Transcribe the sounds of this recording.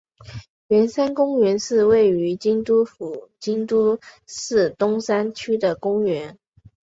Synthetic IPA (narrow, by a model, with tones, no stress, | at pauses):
ɥɛ˧˥nsa˥nkʊ˥ŋɥɛ˧˥nʂɻ̩˥˧we˥˩ɪy˧˥t͡ɕi˥ŋt̪u˥fu˨˩t͡ɕi˥ŋt̪u˥ʂɻ̩˥˩t̪ʊ˥ŋsa˥nt͡ɕʰy˥d̪ə˨kʊ˥ŋɥɛ˧˥n